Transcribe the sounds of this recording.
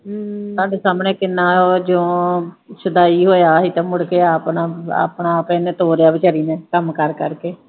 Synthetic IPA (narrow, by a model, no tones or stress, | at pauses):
sãːɖeːsaːmɳẽːkɪnːaːoːd͡ʒõːsəd̪aːiːɦoːjaːɦiːt̪ãːmʊɽkeːaːpnaːa̰ːpɳaːpẽːnẽːt̪oːɾejaːbɪt͡ʃəɾiːnẽːkəmkəɾkəɾkeː